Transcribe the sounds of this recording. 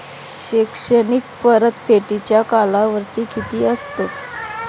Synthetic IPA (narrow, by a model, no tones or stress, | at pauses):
ɕekʂənik̚pəɾət̪feʈit͡ɕjakalaʋəɾt̪iːkit̪iːəst̪ə